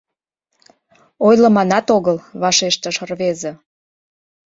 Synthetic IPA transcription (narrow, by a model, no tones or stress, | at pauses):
ojlə̆mɑnɑt̪oɣəlβɑʃeʃt̪əʃərβeze